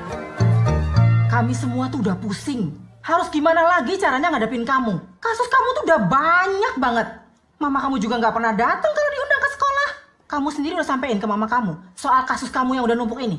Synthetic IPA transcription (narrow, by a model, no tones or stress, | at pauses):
kamisəmuat̪udahpusɪŋhaɾʊsɡimanalaɡit͡ʃaɾaɲaŋadapɪnkamukasʊskamut̪udahbaɲak̚baŋət̪̚ | mamakamud͡ʒuɡaŋɡaʔpərnahdat̪aŋkaladiundaŋkəsə̥kolah | kamusəndiɾiudahsampaɪnkəmamakamusoalkasʊskamujaŋudahnump̬ʊkini